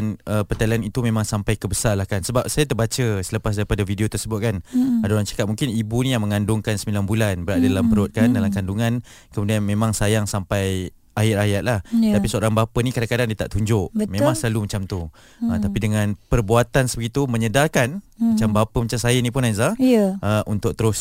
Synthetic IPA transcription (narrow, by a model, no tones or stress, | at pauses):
nəpət̪alianit̪umemãŋsampajkəbəsarlahkansəbap̚sajat̪ərbat͡ʃəsələpas̬daɾipadavideot̪ərsəbʊt̪̚kanadoɾant͡ʃḁkat̪̚mũŋkɪnibunijaŋməŋandʊŋkansəmbilanbulanbəɾadadalampəɾɔt̪̚kandalamkanduŋãn | kəmudianmemaŋsajaŋsampaj | ajɪajat̪̚lah̪apisəoɾaŋbapənikadaŋkadaŋdiət̪a̰ʔt̪uɲd͡ʒʊʔətmemaŋsəlalumat͡ʃamt̪u | ət̪apidəŋanpərbuat̪ansəbəɡit̪uməɲədakanmat͡ʃambapəmat͡ʃamsajənipʊnajzaəʔəʔunt̪ʊk̚t̪əɾʊs